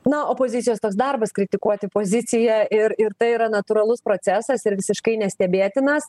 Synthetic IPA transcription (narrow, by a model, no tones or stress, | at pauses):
nʊoːpoːzʲɪt͡s̪sʲɪjoːst̪oːksd̪ɐrbɐskɾʲɪt̪ʲɪkuɔt̪ʲɪpoːzʲɪsʲɪjɛɪɾɪɾt̪ɐɪiɾɐnɐt̪uɾɐlˠʊspɾoːt͡s̪ʲæːsɐsɪɾʋʲɪsʲɪʃkɐɪnʲɛsʲt̪ʲɛbʲeːt̪ʲɪnɐs